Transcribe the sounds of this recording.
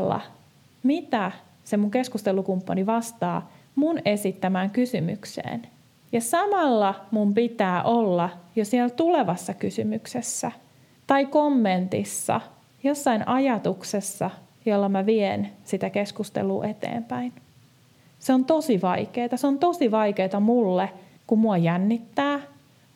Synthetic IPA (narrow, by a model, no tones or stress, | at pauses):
lːɑ̰ | mit̪æ | semuŋke̞skust̪e̞lukumpːɑniʋɑst̪ɑːmunesit̪ːæmæːŋkysymy̰ksḛːn | jɑsɑmɑlːɑmumpit̪æːʔolːɑjosielt̪ule̞ʋɑsːɑkysymyksesːæ | t̪ɑikomːent̪ḭsːɑ̰ | jo̞sːɑinʔɑjɑt̪uksesːɑ | jolːɑmæʋiensit̪ækeskust̪ḛlṵːʔe̞t̪ḛːmpæin | seont̪o̞siʋɑikeːt̪ɑseont̪osiʋɑjke̞ːt̪ɑmulːe | kummuɑjænːit̪ːæː